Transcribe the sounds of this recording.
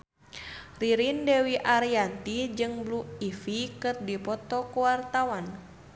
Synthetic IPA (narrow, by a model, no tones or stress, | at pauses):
riɾindɛwiʔaɾiant̪id͡ʒɨŋbluifikɨrdipɔt̪ɔkuwart̪awan